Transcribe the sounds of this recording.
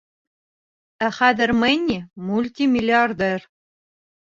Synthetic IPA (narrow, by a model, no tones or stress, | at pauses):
æχæd̪ɘ̆rmɘnʲːimulʲt̪ʲimʲilʲiard̪er